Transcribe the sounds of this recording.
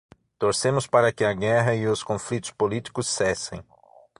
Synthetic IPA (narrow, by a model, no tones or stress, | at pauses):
t̪oɾsẽmʊspaɾɐkɪɐɡɛɦɐɪʊskõflit̪ʊ̥spolit̪i̥kʊsːɛsḛ̃j̃